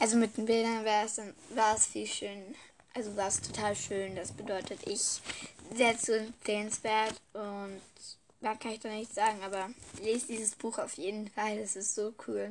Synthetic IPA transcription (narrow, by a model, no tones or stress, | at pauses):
ʔalzomɪt̚d̥eːnbɪldɐnvaːɐɛsd̥anvaːɐɛsfiːlʃøːn | ʔalzovaːɐɛstʰotʰaːlʃøːnd̥asb̥ədɔʏtʰətʔɪçzeːɐt͡suɛnt͡seːənsv̥eːɐtʊnt | daːɐkʰanɪçd̥annɪçz̥aːɡŋ̩ʔaːbɐleːzd̥iːzəsb̥uːxaʊfjeːdn̩faldasɪstz̥oːkʰuːl